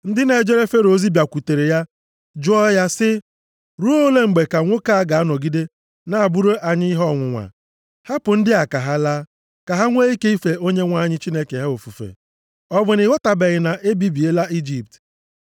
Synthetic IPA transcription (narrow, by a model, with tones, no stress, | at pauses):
n̩˦dɪ˦ne˨d͡ʒe˦ɾe˦fe˦ɾo˦zi˦bja˨kʷu˨te˨ɾe˨ja˦ | d͡ʒʊ˦ɔ˦ja˦sɪ˦ | ɾu˦o˦le˦ŋ͡m̩˨ɡ͡be˨ka˨ŋʷo˦ka˦a˦ɡa˨a˦nɔ˨ɡi˦de˦ | na˦˨a˨bu˦ɾo˦ʔa˨ɲɪ˦i˦ɦɔ˦˨ŋʷʊ˨ŋʷa̰˨ | ha˦pʊ˨n̩˦dɪ˦a˨ka˨ɦa˦laː˦ | ka˨ɦa˦ŋʷe˦i˦ke˦i˦fe˨o˦ɲe˦ŋʷa˦˨ɲɪ˦t͡ʃi˦ne˦ke˨ɦe˦o˨fu˨fḛ˨ | ɔ˦bʊ˨nɪ˨wɔ˦ta˨be˨ɣɪ˨na˨ʔe˦bi˦bi˨e˦la˦ʔi˦d͡ʒi˦p̚t